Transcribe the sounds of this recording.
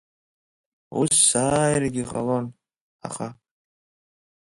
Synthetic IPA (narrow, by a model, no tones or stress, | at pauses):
usːaːjrɡʲiʁa̰lon | a̰χa